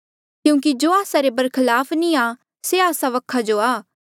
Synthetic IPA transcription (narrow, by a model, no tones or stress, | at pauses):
kjũːkid͡ʒoːaːsaɾebɐɾkʰɪlaːpʰnĩa | seaːsaʋɐkʰad͡ʒoaː